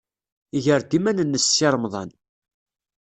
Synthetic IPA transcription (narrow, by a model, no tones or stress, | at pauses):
iʝəɾd̪imænənːəsːiɾˤmðˤɑn